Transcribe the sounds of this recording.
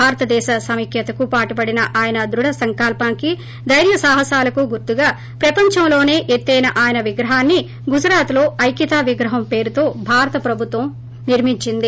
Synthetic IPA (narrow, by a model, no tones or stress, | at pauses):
aːɾɐt̪ɐd̪ɛːʃasɐmikʰjɐt̪ɐkupaːʈubɐɽinɐʔaːjɐnɐd̪ɾuɽɐsɐŋkaːlpaːŋki | d̪ɐjɾjɐsaːɦɐsaːlɐkuɡuɾt̪uɡaː | pɾɐpɐɲt͡ʃɐmlo̞ːne̞ːʔet̪ːɐjnɐʔaːjɐnɐʋiɡɾɐɦaːnːi | ɡud͡ʒɾaːt̪lo̞ːɐjkit̪aːʋiɡɾɐɦɐmpe̞ːɾut̪o̞ːbʱaːɾɐt̪ɐpɾɐbʱut̪ʋɐm | niɾmiɲt͡ʃind̪i